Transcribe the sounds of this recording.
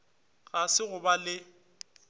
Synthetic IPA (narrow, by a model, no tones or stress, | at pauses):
ɣasɪɣʊbalɪ